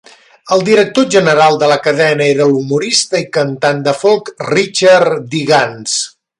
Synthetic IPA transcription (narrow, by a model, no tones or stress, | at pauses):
əlˠd̪iɾək̚t̪oʒənəɾalˠd̪ələkəðɛnəeɾəlumuɾist̪əikənt̪and̪əfolˠkrit͡ʃaɾd̪iɣans